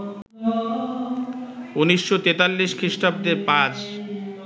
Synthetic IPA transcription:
uniʃːot̪et̪alːiʃkʰɾiʃʈab̚d̪eɾpat͡ɕ

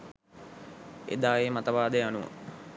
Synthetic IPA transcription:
ḛd̪aːjemat̪əʋaːd̪əjanuʋə̰

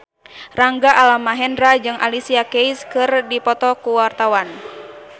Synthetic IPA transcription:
raŋɡaʔalamaɦɛndɾad͡ʒɨŋʔa̰lisiakejskɨrdipɔt̪ɔkuwart̪awan

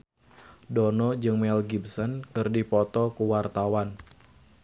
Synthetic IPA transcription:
dɔnɔd͡ʒɨŋmɛlɡibsɔnkɨrdipɔt̪ɔkuwart̪awan

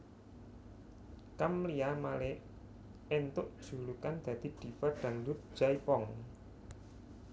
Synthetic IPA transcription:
kamliamalɛ | ent̪ʊʔd̥ʒ̥ṳlukand̪̥ä̤d̪̥i̤d̪̥i̤faɖ̥a̤ŋlut̪̚d͡ʒ̥aipɔŋ

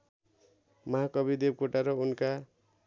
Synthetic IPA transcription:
mʌɦakʌbid̪eb̚koʈaɾʌunka

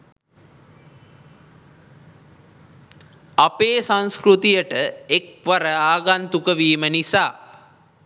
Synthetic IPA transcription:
ɐpeːsãnskɾut̪ijəʈəek̚ʋɐɾəaːɡant̪ukəʋiːmənisaː

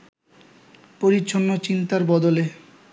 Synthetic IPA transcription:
poɾitːʃʰonːot͡ɕint̪aɾbɔd̪ole

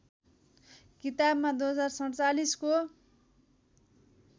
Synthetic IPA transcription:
kit̪abmad̪uɦʌd͡zarsʌɽt͡salisko

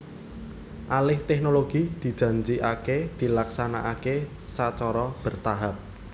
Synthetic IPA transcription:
ʔalɪht̪ɛknoloɡ̥id̪̥i̤d̥ʒ̥ä̤ɲd͡ʒiʔaked̪̥i̤laksanaʔake | sat͡ʃɔɾɔb̥ərt̪aɦap̚

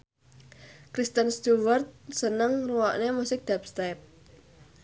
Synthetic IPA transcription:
kɾist̪ənst̪uwərt̪̚sənəŋruwaʔnemusɪk̚d̪̥ap̚st̪ap̚

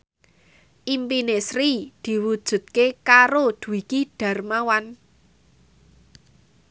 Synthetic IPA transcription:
ʔimpinesɾid̪̥i̤wud̥ʒ̥ṳt̪̚kekaɾod̪̥ṳwikiɖ̥ä̤rmawan

